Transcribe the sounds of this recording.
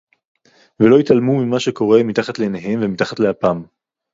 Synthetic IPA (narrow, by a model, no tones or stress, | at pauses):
velo̞it̪almumimaʃeko̞ʁe̞mit̪aχat̪leeneɦe̞mvemit̪aχat̪leapaːm